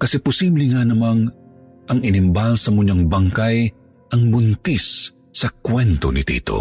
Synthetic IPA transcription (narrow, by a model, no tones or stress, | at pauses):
kɐsɛpʊsiːblɛŋanɐmaŋ | ʔɐŋɪnɪmbalsɐmʊɲaŋbaŋkaj | ʔɐŋbʊnt̪isː | ɐkwɛnt̪o̰nit̪ḭːt̪o̰